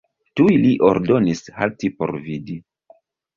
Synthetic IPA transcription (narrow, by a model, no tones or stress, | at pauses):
tujliʔo̞ɾdo̞nisha̰ltipo̞̰ɾvidi